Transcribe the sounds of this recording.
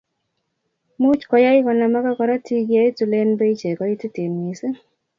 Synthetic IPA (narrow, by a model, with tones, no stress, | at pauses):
mu˦t͡ʃkɔ˨ja˦ɪ˦kɔ˨na˨ma˦ka˦kɔ˨ɾa˦ti˦ɡja˦ɪ˦tu˨le˦nbe˦i˦t͡ʃe˨kɔ˨˦ɪ˦ti˦ti˨mi˨sɪ˦